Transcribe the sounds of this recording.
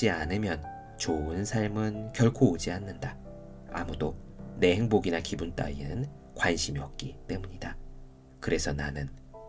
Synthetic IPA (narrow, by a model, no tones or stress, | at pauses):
ianɯmjʌn | t͡ɕoɯnsʰaɭmɯnkjʌɭkʰoːd͡ʑianːɯnda | a̰mudo | ne̞he̞ŋboɡinakibunt͈a̰inɯn | kwanɕʰimiʌp̚k͈it͈e̞muɲida | kɯɾe̞sʰʌnanɯn